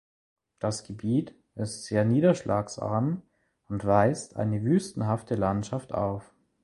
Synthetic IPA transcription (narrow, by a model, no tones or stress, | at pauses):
d̥asɡ̥əbiːt | ɪstz̥eːɐniːdɐʃlʔa̰ːksʔa̰ːm | ʊntv̥aɪstʔa̰ɪnəvyːstn̩ɦaftəlantʃaftʔa̰ʊf